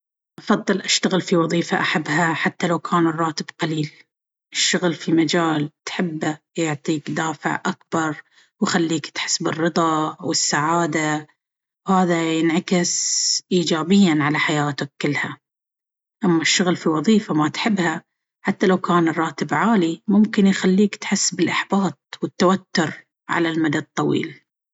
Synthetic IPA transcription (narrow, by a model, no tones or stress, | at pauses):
ʔɑfɑðˤːɨlʔaʃt̪aɣɪlfiwɑðˤiːfaʔaħabːhaħat̪ːalawkʰaːnɨrˤːɑːt̪ɪbqɑliːl | ʔɪʃːʊɣlfimad͡ʒaːlt̪ħɪbːa | jʊʕt̪ˤiːkd̪aːfɪ̰ʕʔak̚bɑɾˤ | wxalːiːkt̪ħɪ̥sbɪrːɨðˤɑwɪsːaʕaːd̪a | whaːðajɪnʕakɪsʔiːd͡ʒaːbɪjːanʕalaħajaːt̪ʊkːɪlːha | ʔamːaʃːʊɣlfiwɑðˤiːfamat̪ħɪbːha | ħat̪ːalawkaːnrˤːɑːt̪ɪbʕaːlimʊmkɪnjxalːiːkt̪ħɪsːbɪlʔaħbɑːt̪̚ˤwɪt̪ːawat̪ːʊɾ | ʕa̰lalmad̪ad̪̚t̪ˤːɑwḭːl